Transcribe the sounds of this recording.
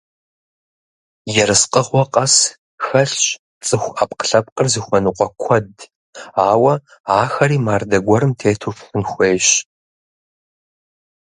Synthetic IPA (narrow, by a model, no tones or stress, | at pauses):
jɛɾɨsqəʁʷɔqʼɐs | xɐɬɕʼ | t͡sʼɨxʷap̚qə̥ɬɐp̚qʼərzɨxʷɔnuqʷʼɔkʷʰɔd | aːwɐ | aːxɐɾiːmaːrdɐɡʷɔɾɨmtʰeːtʰufxɨnxʷeːɕ